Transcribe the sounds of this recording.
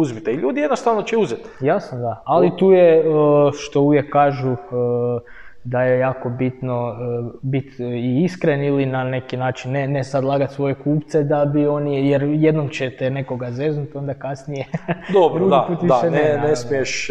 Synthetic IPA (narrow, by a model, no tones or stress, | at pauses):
uzbit̪eilʎʲuːd̪ijenost̪aʋnot͡ʃeuzet̪jasod̪aalit̪uːjeəʃt̪o̞uʋje̞kːaːʒuə | d̪ajejaːko̞bit̪no̞bit̪iiskɾenilinane̞kinaːt͡ʃinːenesad̪lˠaːɡat̪sʋo̞je̞kuːpt̪sed̪abio̞nijeɾje̞d̪nomt͡ɕet̪ene̞ko̞ɡaze̞znut̪o̞nd̪akasnije̞d̪obɾɾud̪aput̪ʋiaʃenenessmieʃ